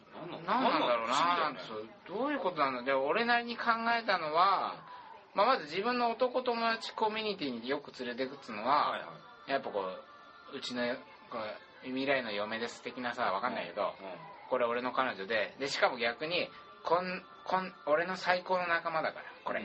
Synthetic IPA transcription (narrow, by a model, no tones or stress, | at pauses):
nãnãnd̪aɾo̞ːnanãnt̪esod̪̥o̞ːjɯ̟ːko̞t̪o̞nãnd̪d͡ʑao̞ɾe̞naɾʲiɲ̟ikʰãŋɡae̞t̪ano̞βa | mamazɨʑibɯ̟̃nːo̞ːt̪o̞ko̞t̪o̞mo̞d̪at͡ɕi̥ko̞mʲyɲ̟it̪̬ʲiːɲ̟ijo̞kɯ̟t͡sɨɾe̞t̪̬e̞kɯ̟t͡s̪ːɨno̞βa | japːako̞ː | ɯ̟t͡ɕino̞ | ko | imʲiɾaino̞jo̞me̞d̪e̞sɨ̥t̪e̞kʲinasaβakanːaike̞d̪o̞̰ko̞ɾe̞o̞ɾe̞no̞kano̞ʑo̞d̪e̞d̪e̞ɕi̥kamo̞ɡʲakɯ̟ɲ̟i | kõn | kʰõno̞ɾe̞no̞saiko̞ːno̞nakamad̪akaɾako̞ɾe